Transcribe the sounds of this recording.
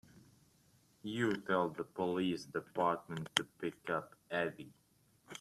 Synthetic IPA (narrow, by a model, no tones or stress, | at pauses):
jɨtʰɛlˠd̪̚ðəpəlisd̥ɨpɑɹt̚mə̃ntʰːɨpɪkʌpɛvi